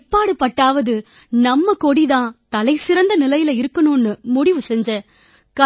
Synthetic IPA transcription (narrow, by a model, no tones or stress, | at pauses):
pːaːɽɯpːɐʈːaːʋɐðɯ | nɐmːɐkɔɽiðãːt̪ɐlɐɪsɪɾɐnd̪ɐnɪlɐjɪlɐɪɾɯkːɐnoːnːɯmʊɽɪʋɯsɛɲd͡ʒɐ | kɐ